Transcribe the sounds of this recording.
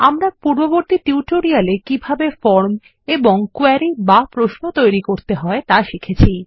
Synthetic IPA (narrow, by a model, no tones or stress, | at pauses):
amɾapuɾboboɾt̪iʈiuʈoɾialekibʱabefɔɾm | eboŋkuɛɾibapɾoʃnot̪ojɾikoɾt̪eɦɔet̪aʃikʰet͡ɕʰi